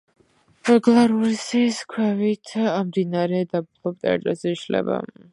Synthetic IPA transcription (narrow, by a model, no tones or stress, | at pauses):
ɾɛɡlˠaɾulsiskʰwɛvit̪ʰamd̪inaɾɛd̪ab̚lˠɔp̚t̪ʼɛ̰a̰t̪ʼɾɛzɛiʃlɛ̰ba̰